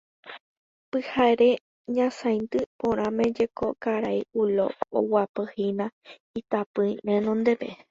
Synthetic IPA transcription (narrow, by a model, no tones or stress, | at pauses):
pɨhaeɾe | ɲãsãj̃nt̪ɨpõɾ̃ãmẽd͡ʒekokaɾaiulo̰o̰wapɨhinã | it̪apɨĩʔẽnõnd̪e̞pe